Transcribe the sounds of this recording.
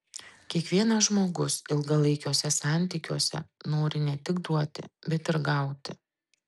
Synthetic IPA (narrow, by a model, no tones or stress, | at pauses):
kʲiɛkʋʲiɛnɐʒmoːɡʊsɪlˠɡɐlˠɐɪkʲoːsʲɛsɑˑnʲt̪ʲiːkʲuɔsʲɛ̰noːɾʲɪnʲɛt̪ʲɪɡd̪ɾuɔt̪ʲɪ̰bʲɛt̪ɪɾɡɐˑʊt̪ʲɪ